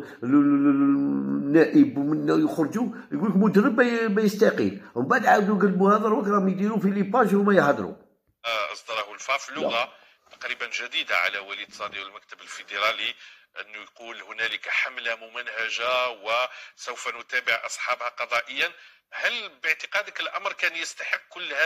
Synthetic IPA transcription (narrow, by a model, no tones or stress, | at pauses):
nːæʔəbmənːæjəxɾˤd͡ʒu | jɡuləkmʊd̪əɾˤːəbːæbæjəst̪ɑqəlhʊmbaʕd̪ʕawd̪ujɡælːbuhæd̪ˤəɾˤwəkɾˤɑmjd̪iɾufilipɑʒmæjhɑd̪ɾṵ | ʔɑsˤd̪ɑɾˤɑhʊlfɑfilːʊɣa | t̪ɑ̥qɾibənʒæd̪id̪aʕa̰læwælid̪sˤɑd̪iwəlmæk̚t̪əbəlfed̪eɾˤɑli | ʔə̰nːujqulhʊnæləkħamlæmʊmənhæʒawəsəwfænʊt̪æbəʕʔɑ̰sˤħɑbhaqɑd̪ˤɑʔəjːæn | hælbəʕt̪əqɑd̪əkəlʔɑmɾˤkænjəst̪ɑħəqːkʊlːhæ